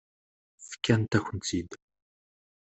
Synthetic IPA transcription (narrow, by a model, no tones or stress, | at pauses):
fkʰʲːænt̪æxʷʊnt͡sʰid̪